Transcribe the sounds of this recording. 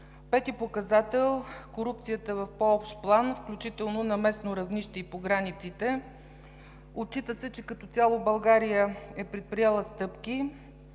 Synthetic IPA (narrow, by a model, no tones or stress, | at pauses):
pɛt̪ipokɐzat̪ɛlˠkoɾup̚t̪sijət̪əɛvɐfpoɔpʃt̪plˠanfklʲut͡ʃit̪ɛlˠnonɐmɛsnoɾɐvniʃt̪ɛipoɡɾanit̪sit̪ɛ | ott͡ʃːit̪əsɛt͡ʃɛkɐt̪ɔt̪ʲalˠobɐlˠɡaɾijəɛpɾɛt̪̚pɾijɛlˠəst̪ɤpki